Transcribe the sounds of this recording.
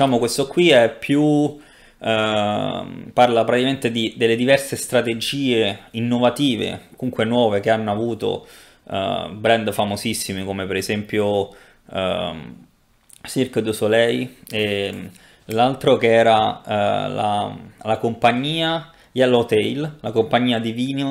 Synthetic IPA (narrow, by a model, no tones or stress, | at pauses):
d̪it͡ʃaːmokwest̪okːwiɛpʰːju | parlapɾat̪ikament̪ed̪id̪elːed̪ivɛrsest̪ɾat̪ed͡ʒiːeinːovat̪iːvḛkuŋkwenwɔːvekeanːoavuːt̪o̰ | bɾɛnd̪famozisːimikomepeɾezɛmpjo | sirkd̪usolɛje | lalt̪ɾokeɛːɾa | la̰lakompaɲːiːa | jɛlːot̪ɛjllakompaɲːiːad̪iviːno